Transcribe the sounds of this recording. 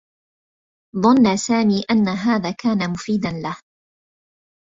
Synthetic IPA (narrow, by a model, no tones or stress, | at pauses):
ðˤɑnːasaːmiːʔanːaɦaːðaːkaːnamʊfiːd̪anlah